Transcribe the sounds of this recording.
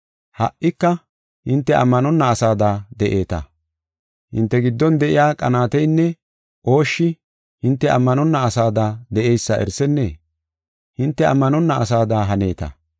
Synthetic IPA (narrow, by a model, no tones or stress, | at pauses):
hɐ̰ʔʔɪkːɐ | hɪnt̪ːɛʔɐ̰mːɐnɔnːɐːsaːd̪aːd̪ɛʔe̞ːt̪ɐ̰ | hɪ̰nt̪ːɛɡɪd̪ːɔnd̪ɛʔɪjaːkʼɐnaːt̪ɛjnːɛ | ʔo̞ːʃːɪ | hɪnt̪ːɛɐ̰mːɐnɔnːɐːsaːd̪aːd̪ɛʔejsːɐʔɛ̰ɾsɛnːḛː | hɪnt̪ːɛɐ̰mːɐnɔnːɐɐsaːd̪aːɦɐne̞ːt̪ɐ̰